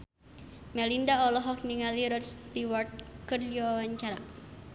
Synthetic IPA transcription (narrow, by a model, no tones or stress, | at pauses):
mɛlindaɔlɔɦɔk̚niŋaliɾɔst̪iwart̪̚kərliɔwaɲt͡ʃaɾa̰